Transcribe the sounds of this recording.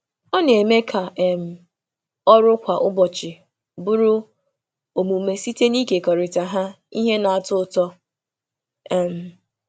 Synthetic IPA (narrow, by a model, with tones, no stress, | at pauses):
ɔ˦ne˨me˦kʰa˨ɛ˨m̩˨ | ɔ˦ɾʊ˦kʷa˨ʔʊ˦bɔ˨t͡ʃɪ˨ | bʊ˦ɾʊ˦ | o˨mu˨me˨si˦te˦ni˦ke˨kɔ˨ɾɪ˨ta˨ɦa˦ | i˦ɦe˦na˨a˨tʊ˦ʊ˦˨tɔ˦ | ɛ˨m̩˨